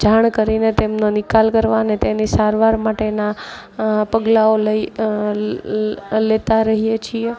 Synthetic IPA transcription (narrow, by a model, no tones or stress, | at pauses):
d͡ʒaɳ̃kəɾinet̪emnonikalkəɾʋanet̪enisaɾʋaɾmaʈena | pəɡlaoləi | let̪aɾəɦijet͡ʃʰije